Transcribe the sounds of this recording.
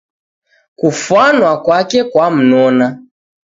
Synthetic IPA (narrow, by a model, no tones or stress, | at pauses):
kufwanwakwakɛkwam̩nɔna